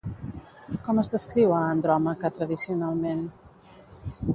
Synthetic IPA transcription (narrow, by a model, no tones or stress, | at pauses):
kɔməzðəskɾiwaːnd̪ɾɔmakət̪ɾəðisiunalˠmen